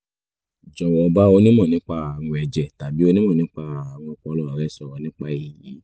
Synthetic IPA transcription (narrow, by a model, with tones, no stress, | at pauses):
d͡ʒɔ˨wɔ˨˧ba˦o˧nĩ˦mɔ̃˦˨nĩ˨˦k͡pa˧a˨wɔ̃˧ɛ˧d͡ʒɛ˨ta˨bi˨˦o˧nĩ˦mɔ̃˦˨nĩ˨˦k͡pa˧˨a˨w̃ɔ̃˧k͡pɔ˧˦lɔ˦a˨ɾɛ˨˦sɔ˨ɔ˨nĩ˦k͡pa˧˦i˨ji˨˦